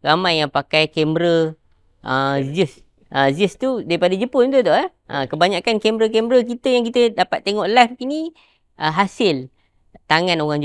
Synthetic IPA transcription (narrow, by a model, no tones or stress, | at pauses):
ɾamajːaŋpakajkɛmbɾə | ʔəzəs | ʔəzəst̪udaɾipadad͡ʒəpʊnt̪ot̪ɔʔaʔə̃kəbaɲakankɛmɾəkɛmbɾəkit̪əjaŋkit̪ədapat̪ːeŋɔʔlafkini | ʔəɦasɪl | t̪aŋanoɣaŋd͡ʒ